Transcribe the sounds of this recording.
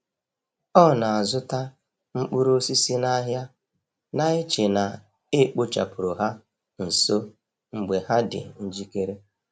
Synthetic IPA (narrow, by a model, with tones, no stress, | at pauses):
ɔ˦˨na˨a˨zʊ˦ta˦ | ŋ͡m̩˦k͡pʊ˦ɾo˦si˦si˦na˦ɦja˦ | na˦ɪ˦t͡ʃɪ˨na˨ | ɪ˦k͡pʊ˦t͡ʃa̰˨pʊ˨ɾo˨ɦa˦ | n̩˨so˦ | ŋ͡m̩˨ɡ͡be˨ha˦dɪ̰˨n̩˦d͡ʒi˦ke˦ɾe˦